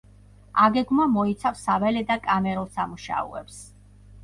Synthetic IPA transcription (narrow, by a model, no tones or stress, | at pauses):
aɡɛɡmamɔit̪sʰafsavɛlɛd̪akʼamɛɾulˠsamuʃa̰ṵɛ̰ps